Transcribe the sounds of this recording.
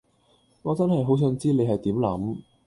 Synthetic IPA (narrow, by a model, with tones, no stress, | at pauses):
ŋɔː˨˧t͡sɐ˥nhɐ˨jɦo˨˥ws̬œ˨˧˥nt͡siː˥le˨˧jɦɐ˨jt̪iː˨˥mlɐ̰˨˥m